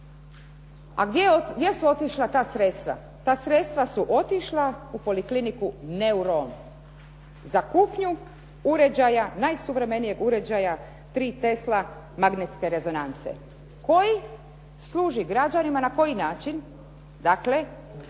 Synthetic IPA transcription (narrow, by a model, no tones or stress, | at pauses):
a̰ɡd̪jejesuo̞t̪iʃlat̪aːsɾet̪st̪ʋa̰ | t̪aːsɾe̞t̪st̪ʋasuʔo̞t̪iʃlaupo̞liklinikuneuɾon | zakuːpɲu | uɾe̞d͡ʑajanajsuʋɾe̞me̞nije̞ɡuɾe̞d͡ʑaja | t̪ɾiːt̪e̞sla | maɡnet̪ske̞ɾe̞zo̞nant̪sḛ | ko̞ji | slˠuːʒiɡɾad͡ʑanimanako̞jinaːt͡ʃin | d̪akle̞